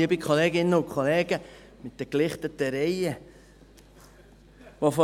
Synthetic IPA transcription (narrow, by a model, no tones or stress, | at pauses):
iəbɪkʰχoleːɡɪnːəʊkʰχoleːɡə | mɪt̚d̥əklɪχt̪ətəɾɛjə | vofo